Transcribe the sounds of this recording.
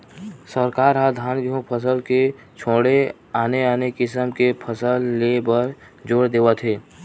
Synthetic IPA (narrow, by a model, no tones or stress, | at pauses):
səɾkaːɾɦad̪ʱaːnɡiõpʰəs̬əlke | t͡ʃʰoːɽe | aːneaːnekɪsəmkepʰəsəlːebəɾ | d͡ʒoːɽd̪eːət̪ʰɦeː